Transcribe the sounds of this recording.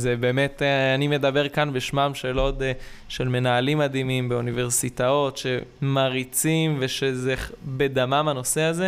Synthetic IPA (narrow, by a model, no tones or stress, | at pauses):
zebe̞ːmet̪anime̞d̪abe̞ʁkanbeʃmamʃe̞ːlo̞tʃe̞lme̞naːlimːad̪imimbe̞unive̞ʁsitao̞tʃe̞maʁit͡simve̞ʃezebed̪amamano̞seaze